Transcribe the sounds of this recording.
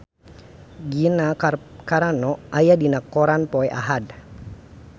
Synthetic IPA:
ɡinakaɾanɔajadinakːɔɾanpɔjʔa̰ɦad

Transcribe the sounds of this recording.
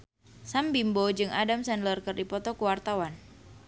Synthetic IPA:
sambimbod͡ʒɨŋʔadamsɛndlərkɨrdipɔt̪ɔkuwart̪awan

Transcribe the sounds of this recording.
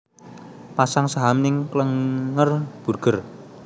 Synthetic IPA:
pasaŋsaɦamnɪŋkləŋːərb̥ṳrɡ̥ə̤r

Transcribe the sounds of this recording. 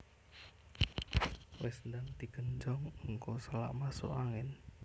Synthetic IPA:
wɪsnd̪aŋd̪i̤ɡ̥ənd͡ʒɔŋəŋkosəla̰ʔmaso̰ʔaŋɪn

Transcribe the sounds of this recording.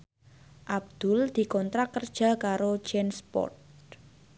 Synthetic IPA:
ʔab̚d̪̥ʊ̤ld̪̥i̤kɔnt̪ɾakərd̥ʒ̥a̤kaɾo̥d͡ʒɛnspɔ̰t

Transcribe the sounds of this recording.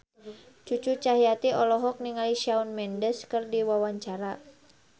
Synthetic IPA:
t͡ʃut͡ʃut͡ʃaɦijat̪iɔlɔɦɔk̚niŋaliʃaunmɛndəskərdiwawaɲt͡ʃaɾa

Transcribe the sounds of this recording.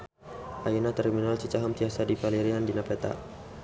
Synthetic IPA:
ʔajinat̪ɛrminalt͡ʃut͡ʃaɦamt̪iasadipaliɾiandinapɛt̪a̰

